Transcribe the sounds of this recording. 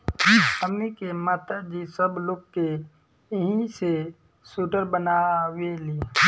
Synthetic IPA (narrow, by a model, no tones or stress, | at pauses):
əmnikemaːt̪ad͡ʒisəbloːɡ̚ke | ɦĩse | suːʈəɾbənaweli